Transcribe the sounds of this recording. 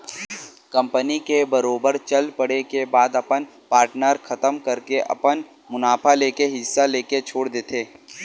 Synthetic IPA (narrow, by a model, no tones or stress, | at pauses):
kɐ̃mpənikebɐɾoːbəɾt͡ʃɐlpɐɽekebaːd̪ɐpən | paːɾʈnəɾxʰɐt̪əmkɐɾkeʔɐ̰pən | mʊnaːpʰaleːkeɦɪsːaleːket͡ʃʰoːɽd̪eːt̪ʰeː